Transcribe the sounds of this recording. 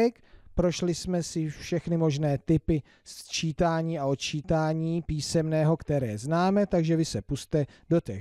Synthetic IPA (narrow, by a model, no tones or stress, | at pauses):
ɛkpɾo̞ʃlɪsmɛsɪfʃɛxnɪmo̞ʒnɛːt̪ɪpɪ | st͡ʃiːt̪aːɲiːaot̪̚t͡ʃiːt̪aːɲiːpiːsɛmnɛːɦo̞kt̪ɛɾɛːznaːmɛt̪aɡʒɛvɪsɛpust̪ɛdo̞t̪ɛ